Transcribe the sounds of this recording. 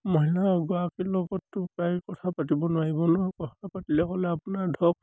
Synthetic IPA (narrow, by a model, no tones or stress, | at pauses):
mɔɦilaɡɔakilɔɡɔtːʊkajkɔtʰapatibɔnʊwaɹibɔnɔkɔtʰapatilɛkɔlɛapunaɹdʱɔk̚